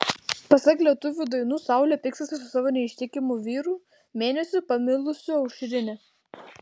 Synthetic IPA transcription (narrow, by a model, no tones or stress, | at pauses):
pɐsɐklʲiɛt̪ʊʋʲuːd̪ɐɪnuːsɑˑʊlʲɛpʲɪkst̪ɐsʲɪsʊsɑːʋoːnʲɛɪʃʲt̪ʲɪkʲɪmuʋʲiːɾuː | mʲeːnʲɛsʲʊpɐmʲɪlˠʊsʲʊɐʊʃʲɾʲɪnʲɪ